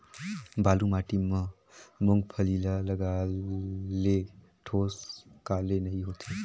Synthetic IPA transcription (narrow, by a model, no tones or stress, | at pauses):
balumaʈimə̃ | moŋɡpʰəlilaləɡa | le | ʈʰoskalenəɦiɦot͡ʃʰe